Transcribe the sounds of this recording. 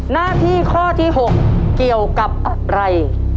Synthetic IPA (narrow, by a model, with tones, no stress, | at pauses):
naː˥˩t̪ʰiː˥˩kʰɔː˥˩t̪ʰiː˥˩ɦo˨˩k̚ːi˨˩əwka˨˩p̚ʔa˨˧˩ɾa˧j